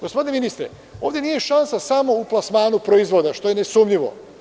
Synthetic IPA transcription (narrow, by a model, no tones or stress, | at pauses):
ɡ̥ospod̪ineminist̪ɾḛ | o̞ːʋd̪ʲjenije̞ʃansasamo̞uplˠasmaːnupɾoizʋo̞d̪aʃt̪o̞jenesumʎiʋo̞̰